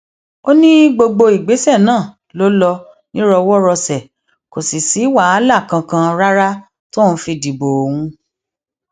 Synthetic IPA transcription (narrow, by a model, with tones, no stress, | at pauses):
o˦nĩ˦ɡ͡bo˧ɡ͡bo˧i˨ɡ͡be˨˦sɛ˦˨nãː˦˨ | lo˦lɔ˧ | nĩ˦ɾɔ˧wɔ˦ɾɔ˧sɛ˨ | ko˨si˨si˨˦wa˦a˨˦la˦˨kã˧kã˧ɾa˦ɾa˦ | to˦ñ̩˦fi˧di˨bo˨hũ˧